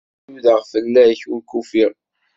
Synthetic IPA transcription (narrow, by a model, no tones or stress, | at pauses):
uðəʁfəlːæçulkufiʁ